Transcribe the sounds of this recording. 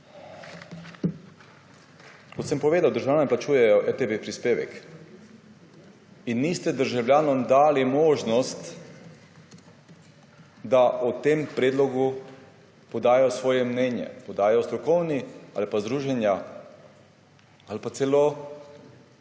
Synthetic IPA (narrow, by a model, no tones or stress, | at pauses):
kɔt̪sɛmpɔʋeːd̪awd̪əɾʒawlʲjaːnɛplat͡ʃuːjɛjɔʔɛt̪ɛbipɾispeːʋɛ̰k | inːiːst̪ɛd̪əɾʒawljaːnɔmd̪aːlimoːʒnɔst̪ | d̪aʔɔt̪empɾeːd̪lɔɡu | pɔd̪aːjɔsʋoːjɛmnɛːnjɛ̰pɔd̪aːjjɔst̪ɾɔkɔwnia̰lipazd̪ɾuːʒɛnja | alpat̪sɛlo